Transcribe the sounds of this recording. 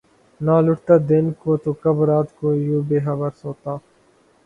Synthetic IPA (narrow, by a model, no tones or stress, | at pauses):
naːlʊʈt̪aːd̪ɪnkoːt̪oːkɐbɾaːt̪koːijuːbeːɦɐbəɾsoːt̪aː